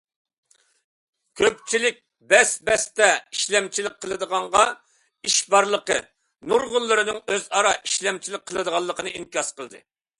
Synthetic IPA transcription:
kʲʰøp̚t͡ʃʰilɪk̚ʲ | bɛsbɛst̪ɛiʃlɛmt͡ʃʰilɪk̚ʲqʰəlˠɨd̪əʁɑɴʁɑ | iʃbɑɾlˠəqə̰ | nuɾʁʊlˠːɨɾɨnɨŋøzɑɾɑiʃlɛmt͡ʃʰilɪk̚ʲqʰːəlˠɨd̪əʁɑlˠːəqənɨiŋkʲɑsqəlˠɨd̪ɨ̰

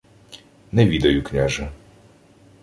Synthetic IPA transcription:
nɛʋʲid̪ɐjʊknʲaʒɐ

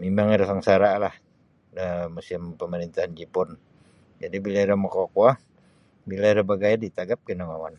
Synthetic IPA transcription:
mimaŋiɾasəŋsaɾalah | dəmusɪmpəməɾint̪ahand͡ʒipʊn | d͡ʒadibilaiɾamakokwa | bilaiɾabaɡajadit̪aɡap̚kinamawan

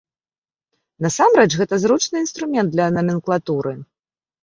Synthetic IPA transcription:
nɐsamɾɛt͡ʂɣɛt̪ɐzɾut͡ʂnɨinst̪ɾumʲɛnd̪lʲɐːnɐmʲɛnklˠat̪uɾɨ

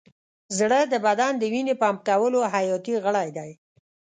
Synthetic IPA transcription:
zɽəd̪əbad̪and̪əwinepɑmkawəloɦajɑt̪iɣəɽajd̪aj

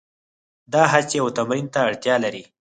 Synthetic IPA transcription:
d̪ɑɦat͡ʃejawt̪amɾint̪aːɽt̪jɑlaɾi

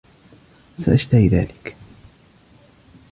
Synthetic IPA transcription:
saʔaʃt̪ahiða̰ːlɪk

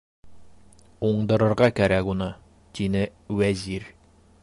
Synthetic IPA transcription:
uɴd̪ɤ̆ɾɤ̆ɾʁɑkæɾækunɤ | t̪ʰinɘwæziɾ

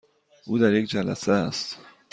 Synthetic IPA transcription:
ʔuːd̪æɾje̞kd͡ʒælæ̰seæst̪

